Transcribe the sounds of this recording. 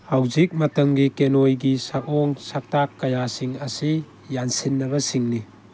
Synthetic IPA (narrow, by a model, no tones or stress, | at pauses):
hawzik̚matəmɡikenojɡisakɔŋsak̚takːajasiŋasi | jansinːɐβɐsiŋni